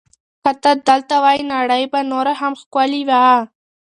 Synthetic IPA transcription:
xat̪ad̪əlt̪awɑjinɑɽəjbanoɾahamxkwaliwa

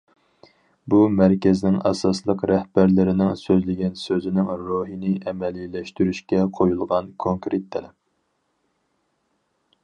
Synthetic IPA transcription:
bumæɾkʲɪznɪŋɛsɑslˠəqɾɛhbæɾlɪɾɪnɪŋsøzlɪɡʲɛnsøzɪnɪŋɾoɦinɪʔɛmɛlilɛʃt̪yɾyʃkʲɛqʰojulˠʁɑnkʰoŋkɾet̪ʰːɛlɛp̚

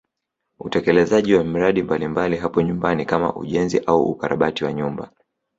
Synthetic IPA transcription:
utɛkɛlɛzaʄiwam̩ɾaɗimbalimbaliɦapɔɲumbanikama̰ʔṵʄɛnziʔauṵkaɾa̰ɓatiwaɲumba

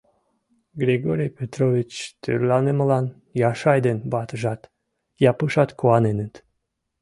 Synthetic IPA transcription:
ɡɾʲeɡoɾʲijpʲet̪rovʲit͡ɕt̪y̰rlɑneməlɑn | jɑʃɑjd̪enbɑt̪əʒɑt̪ | jɑpɯʃɑt̪koɑnenət̪

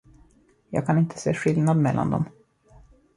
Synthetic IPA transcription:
jɑːɡ̚kʰanɪnt̪ʰə̥seːɧɪlnad̪mɛlːʔa̰nd̪ɔ̰m

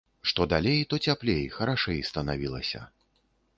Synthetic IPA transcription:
ʂt̪ɔd̪alʲejt̪ɔt͡sʲaplʲejxɐɾaʂɛjst̪ɐnavʲilˠɐsʲɐ̰

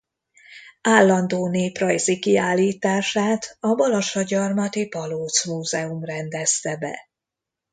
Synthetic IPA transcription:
aːlːɒnd̪oːneːprɒjzikiaːlːiːt̪aːʃaːt̪ɒbɒlɒʃɒɟɒrmɒt̪ipɒloːt̪smuːzɛumrɛnd̪ɛst̪ɛbɛ̰

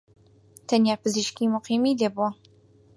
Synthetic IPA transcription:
t̪ʰɐnjaːpɨziʃkiːmʊqiːmiːleːbua

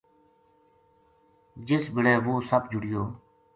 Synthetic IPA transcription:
d͡ʒɪsbɪɽeːʋoːsəbd͡ʒʊɽɪjoː

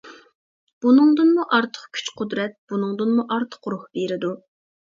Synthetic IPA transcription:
b̥unɨŋd̪ɨnmuʔɑɾt̪ʰə̥χkʲʰy̥t͡ʃqʰʊd̪ɾɛt̪̚b̥unɨŋd̪ɨnmuʔɑɾt̪ʰə̥qɾʊhbeɾɪd̪u

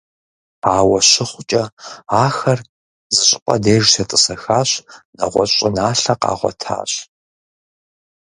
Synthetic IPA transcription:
aːwɐɕɪχʷʊt͡ʃʼɐaːxɐr | zɨɕʼɪqʼɐ̰deːʒsʰɐtʼɨsɐxaːɕnɐʁʷɔ̰ɕʼɪnaːɬɐqɑ̰ːʁʷɔ̰tʰa̰ːɕ

